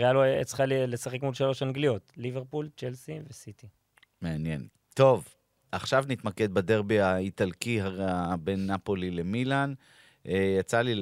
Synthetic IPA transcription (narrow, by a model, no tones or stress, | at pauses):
ʁealoḛt͡sχalilesaχekmulʃaloʃaŋɡlijo̞t̪live̞ʁpult͡ʃelsivesit̪i | meanje̞̰n | t̪o̞v | ʔaχʃavnit̪make̞d̪̚bad̪e̞ʁbiait̪alkiɦabenːapo̞lile̞milan | ejat͡sali